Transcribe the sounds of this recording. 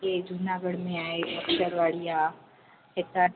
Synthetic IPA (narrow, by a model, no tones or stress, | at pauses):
ed͡ʒʱunaɡəɽmẽaːeʔɐkʃəɾʋaːɭija | et̪a